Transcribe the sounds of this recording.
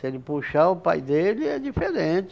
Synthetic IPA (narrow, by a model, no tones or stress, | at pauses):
selɪpuʃaʊpa̰jd̪elɪɛdifeɾẽt͡ʃɪ